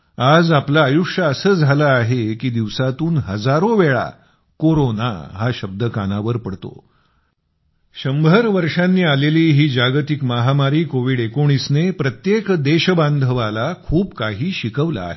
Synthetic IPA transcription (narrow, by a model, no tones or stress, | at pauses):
ad͡zaplaːjukʂəəsəːd͡zʱalaːɦekiːd̪iʋsat̪uːnɦəd͡zaɾoʋeɭa̰ | koɾona̰ɦaɕəb̚d̪əkanaʋəɾpəɽt̪o̰ | ɕəmbʱəɾʋəɾʂanːiːaleliːɦiːd͡ʑaɡt̪ikmaɦamaɾiːkoʋiːɽekoɽ̃iːsnepɾət̪jekd̪eɕəband̪ʱəʋalakʰuːpkaɦiːɕikəʋla̰ːɦe